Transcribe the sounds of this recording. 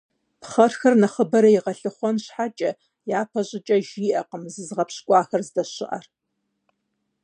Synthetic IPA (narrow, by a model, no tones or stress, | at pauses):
pχɐrxɐrnɐχəbɐɾɐjiʁɐɬɨχʷɔnɕħat͡ʃʼɐ | jaːpʰɐʑʼɪt͡ʃʼɐʒiːʔɐqəmzɨzʁɐpɕkʷʼɑːxɐrzdɐɕɪ̰ʔɐ̰r